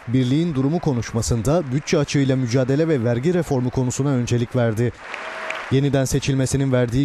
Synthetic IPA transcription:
biɾlʲijind̪uɾumukʰo̞nuʃmasɯnd̪abyt̪̚t͡ʃʰɛat͡ʃʰɯjlˠamyd͡ʒaːd̪e̞lʲɛvɛvæɾɟiɾefo̞ɾmɯkʰo̞nusunaø̞nd͡ʒe̞lʲicvæɾd̪ɪ | je̞nid̪ænse̞t͡ʃʰilʲme̞sininvæɾd̪iː

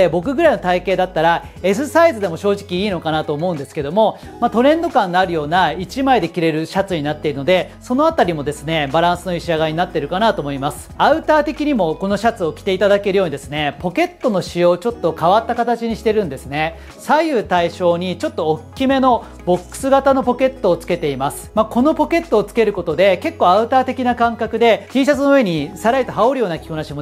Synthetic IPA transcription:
ebo̞k̬ɯ̟ɡɯ̟ɾaino̞t̪aike̞ːd̪at̪ːaɾa | e̞sɨsaizɨd̪e̞mo̞ɕo̞ːʑikʲiiːno̞kanat̪o̞ːmo̞ɯ̃nd̪e̞sɨ̥ke̞d̪o̞mo̞ | mat̪o̞ɾẽ̞nd̪o̞kãnːaɾɯ̟jo̞ːnait͡ɕimaid̪e̞kʲiɾe̞ɾɯ̟ɕat͡sɨɲ̟inat̪ːe̞iɾɯ̟no̞d̪e̞ | so̞noat̪aɾʲimo̞d̪e̞sɨne̞baɾãɰ̃sɨno̞iɕiaɡaiɲ̟inat̪ːe̞ɾɯ̟kanat̪o̞ːmo̞imasɨ̥aɯ̟t̪aːt̪e̞kʲiɲ̟imo̞ko̞no̞ɕat͡sɨo̞kʲi̥t̪e̞it̪ad̪ake̞ɾɯ̟jo̞ːɲid̪e̞sɨne̞po̞ke̞t̪ːo̞no̞ɕijo̞ːt͡ɕo̞t̪ːo̞kaβat̪ːakat̪at͡ɕiɲ̟iɕi̥t̪e̞ɾɯ̟̃nd̪e̞sɨne̞ | saiɯ̟t̪aiɕo̞ːɲ̟it͡ɕo̞t̪ːo̞ːkkʲːime̞no̞ | bo̞kːɯ̥sɨɡat̪ano̞po̞ke̞t̪ːo̞ːt͡sɨ̥ke̞t̪e̞imasɨ̥mako̞no̞po̞ke̞t̪ːo̞ːt͡sɨ̥ke̞ɾɯ̟ko̞t̪o̞d̪e̞ke̞kːo̞ːaɯ̟t̪aːt̪e̞kʲinakãŋkakɯ̟d̪e̞t̪ʲiːɕ̬at͡sɨnoɯe̞ɲ̟isaɾait̪o̞ɦaoɾɯ̟joːnakʲi̥konaɕimo

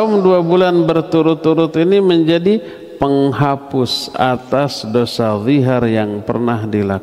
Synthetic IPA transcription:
ʊmduabulanbərt̪uɾʊt̪ːuɾʊt̪iniməɲd͡ʒadi | pəŋɦapʊsa̰t̪asdosaðiɦarjaŋpə̰rnahdilak

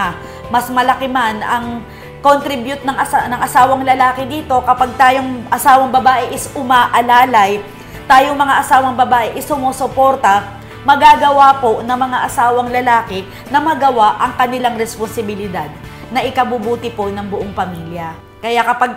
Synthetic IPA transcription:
mɐsmɐlɐkɪmanɐŋ | kont̪ɾɪbjʊt̪̚nɐŋʔɐanɐŋʔɐsaːwɐŋlɐlaːkɪd̪iːt̪o̞kɐpaɡ̚t̪aːjoŋʔɐsaːwɐŋbɐbaːʔɛʔɪsʊmaːʔɐlaːlɐj | t̪aːjoŋmɐŋaʔɐsaːwɐŋbɐbaːʔɛʔɪsʊmoːsopo̞ɾt̪ɐ | mɐɡaɡɐwapo̞nɐŋmɐŋaʔɐsaːwɐŋlɐlaːkɛ | nɐmɐɡɐwaʔɐŋkɐnɪlaŋɾɛsponsɪbɪlɪd̪ad̪̚ | nɐʔɪkɐbʊbuːt̪ɪpo̞nɐŋbʊʔoŋpɐmiːljɐ | kɐjakɐpaɡ̚

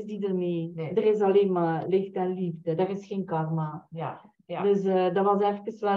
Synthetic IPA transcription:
zdidərmeːdərɪsɑleːnmaːlɪxtɛnlivdədarɪsxeːnkɑrmaː | døsədɑʋɑsɛfkəsɛ

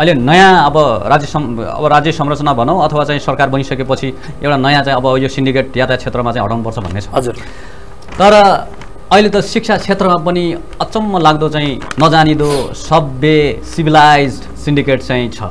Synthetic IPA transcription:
ʌilenʌjãʌbʌrad͡zjʌsʌmʌ̰bʌɾad͡zjʌsʌmrʌt͡sʌnabʱʌnʌw̃ʌt̪ʰʌwat͡saĩsʌrkarbʌnisʌkepʌt͡sʰi | ewʈanʌjãt͡saĩʌbʌjosiɳɖikeʈ̚jat̪at͡sʰet̪rʌmat͡saĩɦʌ̰ʈawnupʌrt͡sʰʌbʱʌ̰nːet͡sʰʌd͡z | t̪ʌɾʌ | ʌilet̪ʌsik̚sʰat͡sʰet̪rʌmapʌni | ʌt͡sʌmːʌlaɡd̪ot͡saĩnʌd͡zanid̪osʌbjesibʱilajd͡zɖsiɳɖikeʈt͡saĩt͡sʰʌ̰

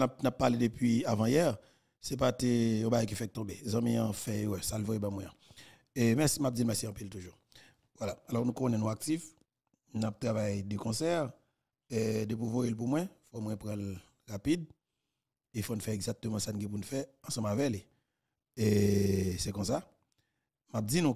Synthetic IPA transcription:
ap̚napːaʁledəpɥiavãjɛʁ | sɛp̬atejɔ̃baɡajkifɛk̚t̪ɔ̃bezãmĩãfɛwɛsalvojebãmwɛ̃ã | emɛsimap̚d͡zilmɛʁsiɑ̃piltuʒuʁ | vwalaalɔʁnũkonɛ̃nũak̚tif | nap̚t̪ʁavajdəkɔ̃sɛʁ | dəpuvojelp̬umwɛ̃fomwɛ̃pʁãl | ʁapid̪ | efonufɛeɡzak̚t̪əmãsanuɡɛ̃p̬unufɛɐ̃sɑ̃mavɛkli | esɛkɔ̃s̬a | map̚d͡zinũ

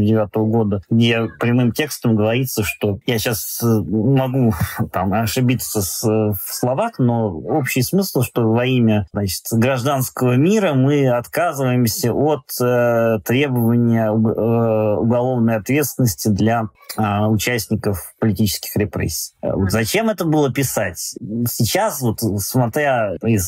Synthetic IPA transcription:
dʲɪvʲat̪əvəɡo̞d̪əɡdʲe̞pɾʲɪmɨmtʲe̞kst̪əmɡəvɐɾʲit̪sːəʂt̪o̞jaɕasmɐɡut̪amɐʂɨbʲit̪səfslˠɐvaxno̞opɕɪjsmɨslˠʂt̪o̞vɐimʲənat͡ɕɪ̥t̪ɡɾɐʐd̪anskəvəmʲiɾəmɨɐt̪kazɨvəjɪmsʲəʔot̪t̪ːɾʲe̞bəvənʲɪjəʊ | ʊɡɐlˠo̞vnəjɐt̪vʲe̞t̪st̪ʲɪnəsʲtʲɪd̪lʲa | ʊt͡ɕæsʲtʲnʲɪkəfpəlʲɪtʲit͡ɕɪ̥skʲɪ̥xɾʲɪpɾʲḛsʲːi̥jvo̞t̪zɐt͡ɕe̞mɛt̪əbɨlˠəpʲɪsatʲsʲɪt͡ɕasvo̞t̪smɐt̪ɾʲaɪz

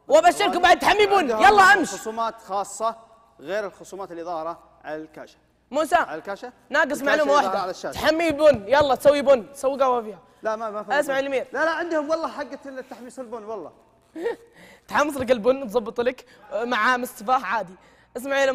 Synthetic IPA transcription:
wʔabaʃtːɪɾkubaʕd̪̚t̪ħamːibʊnːjɑlːɑːʔanʃsuːmaːt̪xɑːsˤːɑ | ɣeːɾɪlxʊsuːmaːt̪ɪlðˤɑːhɾˤɑ | ʕa̰lalka̰ːʃḁ | muːsakaʃa | naːɡɪsˤmaʕuːmawaħd̪aʕalaʃːaːħamːilbʊnːjalˤːɑːt̪sawːibʊnːt̪sawːiɡawafiːha | lamamaʔas̬maʕilmiːɾlalaʕɪnd̪hʊmwɑlˤːɑħaɡːalːt̪ːaħmisɪlbʊnːwɑlˤːɑ̰ | t̪ħɑmːɑsˤlak̬ɪlbʊnːt̪zˤɑbːɨt̪ˤlak | maʕamɪst̪ɨfaːhʕaːd̪i | ʔas̬maʕl

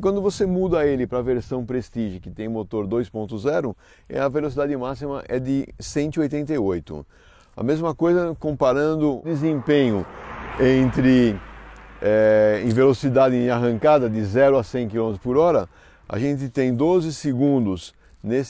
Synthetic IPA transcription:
kwɐ̃nd̪ʊvosemud̪ɐelɪpɾɐːveɾsɐ̃w̃pɾest̪iʒʊkɪt̪ẽj̃mot̪oɾd̪ojspõnt̪ʊzɛɾʊ | ɛ̰ɐvelos̬id̪ad̪ɪmasimɐʔɛd̪ɪsẽnt̪ʊɪojt̪ẽnt̪ɐiojt̪ʊ̰ | ɐ̰mezmɐkojzɐkõpaɾɐ̃nd̪ʊd̪ɪzẽpẽɲʊẽnt̪ɾɪ | ɛḛ̃j̃velosid̪ad̪ɪ̃aɦɐ̃ŋkad̪ɐd̪ɪzɛɾʊɐsẽj̃kilõmɪt̪ɾʊ̥spʊɾɔɾɐ | a̰ʒẽnt̪ɪt̪ẽj̃d̪ozɪsɪɡũnd̪ʊs | nes

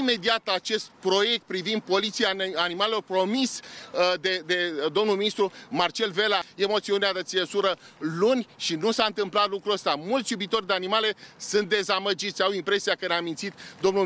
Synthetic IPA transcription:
ime̞d̪iat̪at͡ʃe̞st̪̚pɾo̞je̞k̚t̪̚pɾivind̪̚po̞lit̪siaːnimalelorpɾo̞misd̪ed̪e̞d̪o̞mnulminist̪ɾumart͡ʃe̞lve̞laemo̞t̪sioneazət̪siesuɾə | lunʲʃinusaɨnt̪ɨmplat̪lukɾuəst̪amult̪sʲjubit̪o̞rʲd̪e̞animale̞sɨnt̪̚d̪e̞zaməd͡ʒit̪sʲawimpɾe̞siakəneamint̪sit̪d̪omnu

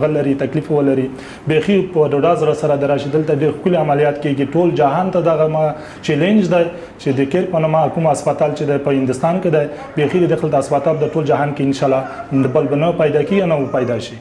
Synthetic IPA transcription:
ɣalaɾit̪aklifawəlaɾi | bexipəɖaɖɑzɾasaɾad̪aɾaʃid̪əlt̪aɖeɾxkuliamalijɑt̪keɡiʈold͡ʒaɦɑnt̪ad̪aɣama | t͡ʃelend͡ʒd̪aj | t͡ʃed̪əkeɾpənamakumaspat̪ɑlt͡ʃed̪ajpəhɪnd̪ʊst̪ɑnked̪aj | bexid̪əd̪axəlt̪aːspat̪ɑld̪aʈold͡ʒaɦɑnkeɪnʃɑlɑəbəlbanapajd̪ɑkeianawəpajd̪ɑʃi

